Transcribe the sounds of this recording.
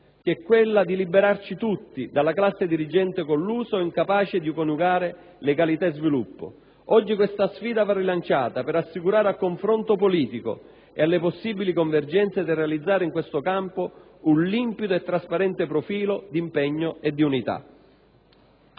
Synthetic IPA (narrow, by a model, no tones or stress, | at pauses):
k̟ɛkːwelːad̪ilibeɾart͡ʃit̪ut̪ːid̪alːaklasːed̪iɾid͡ʒɛnt̪ekolːuːsoɛiŋkapaːt͡ʃɪd̪ikonuɡaːɾɪ | leɡalit̪azvilupːʊ̰ | ɔd͡ʒːikwest̪asfiːd̪avarːilant͡ʃaːt̪apɛɾasːikuɾaːɾealkːoɱfɾont̪opoliːt̪iko̰ | ḛalːeposːiːbilikoɱverd͡ʒɛnt̪sed̪irːealid̪zːaːɾɪiŋkwest̪ʊkampo | unlimpit̪oet̪ːɾaspaɾɛnt̪epɾofiːlod̪impɛɲːoed̪ːiunit̪a̰